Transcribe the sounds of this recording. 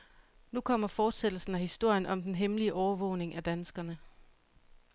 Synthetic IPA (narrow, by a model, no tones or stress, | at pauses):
nukʰɒ̽m̰ɐfɒːd̥sed̥l̩sn̩æhisd̥o̝ɐ̰jənʔɒ̽md̥enɦemliəʔɒʊɐʋɔ̰̽ʊne̝ŋʔæd̥ænsɡ̥ɐnə